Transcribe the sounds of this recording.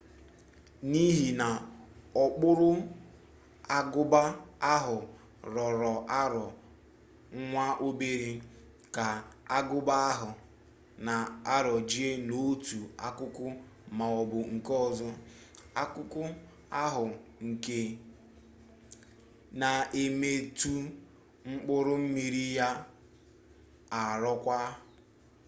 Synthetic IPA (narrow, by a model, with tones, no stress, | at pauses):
ni˦ɦi˨na˨ɔ˨k͡pʊ˦ɾʊ˦ | a˦ɡʊ˦ba˦a˦ɦʊ˨ | ɾɔ˨ɾɔ˨ʔa˦ɾɔ˨ | ŋ̩˦ŋʷa˦ʔo˦be˦ɾe˦ | ka˨a˦ɡʊ˦ba˦ɦʊ˨ | na˨a˦ɾɔ˨d͡ʒi˦e˦no˦tu˨a˦kʊ˦kʊ˦ | ma˨ɔ˨bʊ˨ŋ̩˨kɔ˦zʊ˦ | a˦kʊ˦kʊ˦ | a˦ɦʊ˨ŋ̩˨ke˦ | na˨e˨me˨tu˦ | ŋ͡m̩˦k͡pʊ˦ɾʊ˦m̩˦mi˨ɾi˦ja˦ | a˨ɾɔ˦kʷa˦